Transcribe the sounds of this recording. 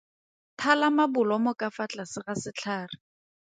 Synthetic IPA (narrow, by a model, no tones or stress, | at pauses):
tʰalamabʊlɔmɔkafat͡ɬʼasɪχasɪt͡ɬʰaːrɪ